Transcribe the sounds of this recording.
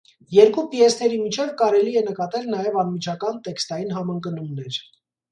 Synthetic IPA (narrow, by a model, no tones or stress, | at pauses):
jɛɾkupiɛsnɛɾimit͡ʃʰɛvkɑɾɛliɛnəkɑt̪ɛlnɑjɛvɑnmit͡ʃʰɑkɑnt̪ɛkst̪ɑjinɦɑməŋkənumnɛɾ